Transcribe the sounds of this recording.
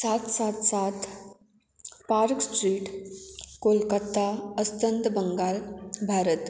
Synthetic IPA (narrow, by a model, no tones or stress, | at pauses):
saːt̪saːt̪ʰsat̪ | paːɾksʈɾiːʈkolkat̪aəst̪ənd̪bəŋɡaːlbʱaːɾət̪